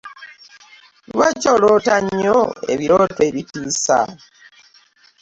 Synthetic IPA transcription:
βat͡ʃolotaɲːoḛβiɾoːtwe̞ːβitiːsa̰

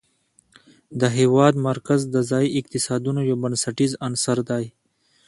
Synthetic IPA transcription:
d̪əɦeːwɑːd̪mɐɾkazd̪əzɑːiʔɪkt̪ɪsɑːd̪unojobənsɐʈizɐnsɐɾd̪ɑːj

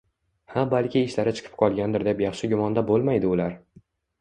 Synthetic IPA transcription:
habalkʲʰɪːʃlaɾɪt͡ʃʰɨ̥qʰɨ̥p̚qʰɒlˠɡʲand̪ɪɾd̪epjɑχʃɪɡʲʊmɒnd̪abolˠmajd̪ɪʊlaɾ

